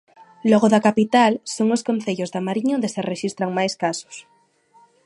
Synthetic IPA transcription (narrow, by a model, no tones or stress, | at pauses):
loɣoðakapit̪alsoŋoskon̟θeʎozðamaɾiɲõnd̪esereʃist̪ɾaŋmajskaso̥s